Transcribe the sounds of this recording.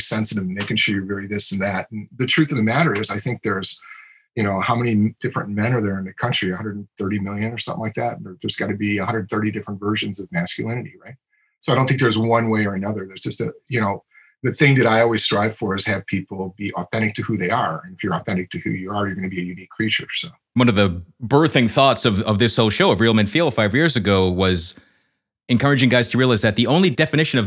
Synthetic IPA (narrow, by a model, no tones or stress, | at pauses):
sɛ̃nsɨɾɨvneɪkɨ̃nʃojə˞vɛɹiðɪsn̩ðætn̩ðɨtʰɹ̥ʉθɨ̃nðɨmæɾə˞ɪzaɪθɪ̃ŋk̚ðə˞z̥ | jɨñoʊhaʊmɛnid̥ɪfɹɨ̃ntmɛ̃ñə˞ðə˞ɨ̃nðɨkʰʌ̃nt͡ʃɹ̥iɨhʌ̃ndɹədn̩θɜ˞ɾimɪlˠjɨ̃nə˞sʌ̃mθɪ̃ŋlaɪk̚ðætn̩ə˞ðə˞zɡɑɾɨbiɨhʌ̃ndɹədn̩θɜ˞ɾidɪfɹə̃ntvɜ˞ʒɨ̃nzʌvmæskjɨ̰lˠɪ̃nɨɾiɹaɪt̚ | soaɪõʊ̃nθɪ̃ŋkðə˞zwʌ̃nweɪə˞ɨnʌðə˞ðə˞zd͡ʒʌstɨjɨñoʊ | ðɨθɪ̃ŋðɨɾaɪɔlˠwiz̥stɹ̥aɪv̥fə˞ɨz̥ɨv̥pʰipl̩ˠbiʔɔθɛ̃ɾ̃ɨk̚tʰɨhʉðeɪə˞ɨ̃nɨfjə˞ɔθɛ̃ɾ̃ɨk̚tʰɨhʉ̰jəə˞jə˞ɡʌnɨbiɨjʉnikʰːɹ̥it͡ʃə̰˞soʊ | wʌ̃nʌvðɨbɜ˞θɪ̃ŋθɔtsʌvʌvðɪshoʊlˠʃoʊɨvɹilˠmɨ̃nfilˠd̥faɪvjɪɹzɨɡoʊwʌz | ɨ̃nkʰɜ˞ɨd͡ʒɪ̃ŋɡaɪz̥tʰɨɹiəlaɪzðɨt̪̚ðiõʊ̃nlidɛfɨnɪʃɨ̃nʌv